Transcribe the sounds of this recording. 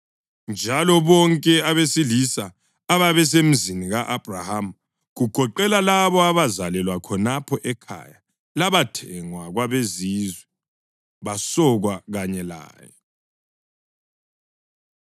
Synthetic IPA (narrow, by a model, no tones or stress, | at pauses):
nd͡ʒʱalɔβɔŋkʼɛaβesilisaː | βaβɛs̬em̩ziniɣaʔab̥raham̩ | ɣuɡ̥ʱɔǃɛlalaβɔaβazalɛlwakʰɔnapʰɔʔɛkʰa̰ja | laβatʰɛŋwaɣwaβezizwɛ | βasɔɣwaɣaɲɛla̰ːjɔ